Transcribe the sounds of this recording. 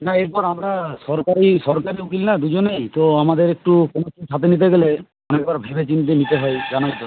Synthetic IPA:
naeɾpɔɾamɾasɔɾkaɾisɔɾkaɾiukilnad̪ud͡ʑonejt̪oamad̪eɾek̚ʈukonosiʈʰat̪̬enit̪̬eɡele | ɔnek̚baɾbʱebet͡ɕint̪enit̪eɦɔed͡ʒanajt̪o

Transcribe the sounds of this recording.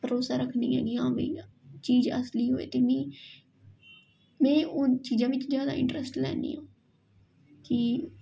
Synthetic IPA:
bəɾoːsaːɾəkʰniːɦɛ̰ːɡiːãːbḭː | t͡ʃiːd͡ʒəsliːɦoːḛːt̪eːmɛ̃ː | mɛ̃ːʊt͡ʃiːd͡ʒãːʋɪt͡ʃzjaːd̪a̰ːɪ̰̃ɳʈɾəsʈlɛ̰ːnḭːõː | ki

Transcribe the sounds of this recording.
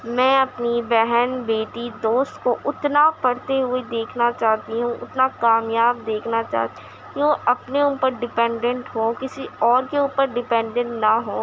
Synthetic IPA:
mɛ̃ːɐpnibɛɦɛnbeːʈid̪oːst̪koʔʊt̪napɐɽt̪eɦʊed̪eːkʰnat͡ʃaːɦt̪iɦũʔʊ̰t̪nakaːmjaːb̚d̪eːkʰnat͡ʃa̰ːɦt̪i | kiʋoʔɐpneʊːpəɾɖɪpɛ̃ːɳɖə̃ɳʈɦõːkɪsiɔːɾkeuːpəɾɖɪpɛ̃ːɳɖə̃ɳʈnaɦõː

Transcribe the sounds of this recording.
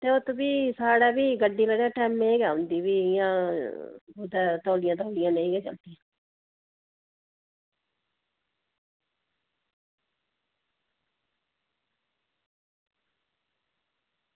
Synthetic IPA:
t̪eːot̪ːbiːsaːɽaːbiːɡəɖːiːləɽjãːʈɛːmeːɡaːʊ̃nd̪iːbiːɪjãː | od̪aːt̪ɔːɽɪjãːt̪ɔːɽɪjãːneĩɡɛːd͡ʒã̰ːnt̪ijãː

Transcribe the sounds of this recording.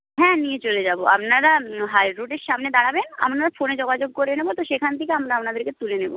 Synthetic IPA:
ɦɛ̃ːniet͡ɕoled͡ʑaːboa̰pnaɾaɦajɾuʈeɾʃamned̪aɽabena̰pnaɾafoned͡ʑoɡad͡ʑoɡ̚koɾenebot̪oʃekʰant̪ʰikeamɾaapnad̪eɾket̪ulenebo

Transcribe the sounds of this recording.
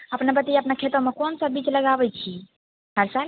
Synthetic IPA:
əpnebət̪ijəpnakʰet̪əmẽkonsəbit͡ʃləɡabɛt͡ʃʰi | həɾsal

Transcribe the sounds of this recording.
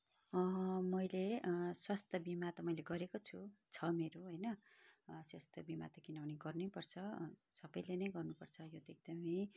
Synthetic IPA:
ʌmʌjleswʌst̪ʌbimat̪ʌmʌjleɡʌɾekot͡sʰut͡sʰʌmeɾoɦojnʌ | swast̪ʰʌbima̰t̪ʌkinʌbʱʌniɡʌrnepʌrt͡sʰʌ | sʌbʌjlenʌjɡʌrnupʌrt͡sʰʌjot̪ʌeɡ̚d̪ʌmʌj

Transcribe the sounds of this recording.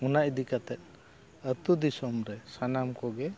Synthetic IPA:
unaʔd̪ikat̪ɛt̪̚ˀ | ət̪ud̪isɔmɾɛsanamkɔɡɛ

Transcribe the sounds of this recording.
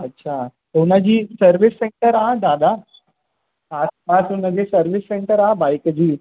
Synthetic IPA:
ətːɕʰa | ɦonad͡ʑiːsəɾʋisːeɳʈəɾaad̪ad̪a | aspasonad͡ʑesəɾʋisːeɳʈəɾaabajkd͡ʑiː

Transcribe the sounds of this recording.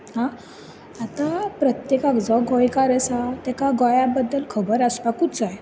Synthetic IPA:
ɦã | at̪apɾət̪jekakd͡zɔɡɔjkaɾəsat̪ɛkaɡɔjabəd̪ːəlkʰəbəɾəspakut̪t͡saj

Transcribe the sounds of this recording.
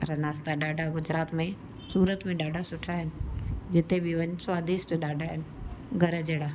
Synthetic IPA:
ɾɐnaːst̪aɗaːɖʱaɡʊd͡ʑɾaːt̪mẽ | suːɾət̪mẽɗaːɖʱasʊʈʰaɦɪnɪ̆d͡ʑɪt̪ebɪʋɐɲswaːd̪isʈɗaːɖʱaɦɪnɪ̆ɡʱɐɾəd͡ʑeːɽaː

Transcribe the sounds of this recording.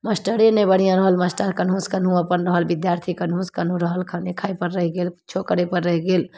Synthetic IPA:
məsʈəɽenẽbəɽ̤ijãɾəɦəlməsʈaɾkənɦũskənɦũəpənɾəɦəlbɪd̪jaːɾt̪ʰikənɦũskənɦũɾəɦəlkʰanekʰaːepəɾːəɦɡeːlt͡ʃʰokəɽepəɾːəɦiɡeːl

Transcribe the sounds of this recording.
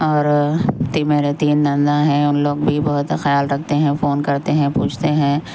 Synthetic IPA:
ɔːɾt̪imeːɾet̪iːnd̪ɐ̃nd̪aɦɛ̃ʊnloːɡbʱibɐɦʊt̪xjaːlɾɐk̚ʰt̪eɦɛ̃foːnkɐɾt̪eɦɛ̃puːt͡ʃʰt̪eɦɛ̃ː

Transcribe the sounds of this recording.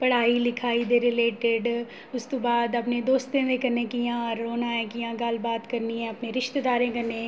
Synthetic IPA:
pɐɽ̤aːilɪkʰaːid̪eɾɪleːʈɪɖ | ʊst̪õbaːd̪ɐpned̪oːst̪ẽd̪ẽkɐɾnekijãɔːɾoːnãːɛ̃kijãːɡalbaːt̪kɐɾniɦɛ̃ɐpneɾɪʃt̪ed̪aːɾẽkɐɾnẽː

